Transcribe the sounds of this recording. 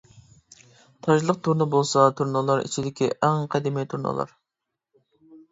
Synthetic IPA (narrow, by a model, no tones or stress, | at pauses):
t̪ʰɑʒlˠəq̚t̪ʰuɾnɨbolˠsɑt̪ʰuɾnɨlˠɑɾḭt͡ʃʰid̪ɪkʲʰiʔæŋqʰɛd̪ɪmijt̪ʰuɾnɨ̰lˠɑ̰ɾ